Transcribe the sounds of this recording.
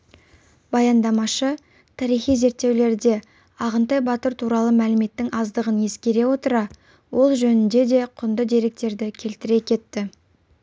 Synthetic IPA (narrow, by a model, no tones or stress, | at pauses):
bɑjɑnd̪ɑmɑʃə | t̪ʰɑɾijχijze̞ɾt̪ːe̞wle̞ɾd̪e̞ | ɑʁənt̪ɑjbɑt̪əɾt̪ʰuɾɑlˠəmælɪme̞t̪ːɪŋɑzd̪əʁənje̞skʲe̞ɾe̞wo̞t̪əɾɑ | wʔo̞lˠʒɵnɪnd̪e̞d̪e̞qʰʊnd̪əd̪e̞ɾe̞k̚t̪e̞ɾd̪ɪkʲʰe̞lt̪ɪɾe̞kʲʰe̞t̪ːɪ